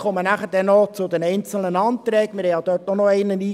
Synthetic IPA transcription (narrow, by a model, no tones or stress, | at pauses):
χɔmənæχəɾd̥ɛnːɔt͡sʊd̪ɛnɛɪnt͡sl̩nənɑːnt̪ɾɛːɡəmɪɾhɛɪjɑd̥̪øːtɔnɔɛɪnəniː